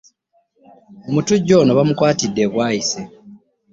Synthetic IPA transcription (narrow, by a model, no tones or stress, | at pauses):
omutuɟːo̞ːnoβamukwaːtidːeβwaːise